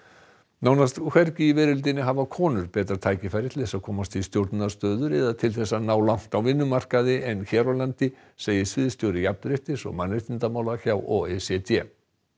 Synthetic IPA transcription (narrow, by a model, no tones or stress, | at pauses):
naːwnast̪kʰvɛɾcɪivɛːɾʏlt̪̬ɪnɪɦavakʰɔːnʏɾpɛːt̪ɾaɾt̪ʰaːjcɪfajɾɪt̪ʰɪ̥ɛsakʰɔːmast̪ʰɪst̪jowɾt̪nast̪œːðʏɾɛðat̪ʰɪlθɛsːanaːwlan̥t̪awvɪnːʏmar̥kaðɪɛnçɛːɾɔlant̪ɪ | seːjɪsvɪðst̪jowɾɪjap̚nɾɪht̪ɪsɔ̰ɣmanːɪht̪ɪnt̪amaːwlaçawʔɔːɛsɛt̪ʰɛ̰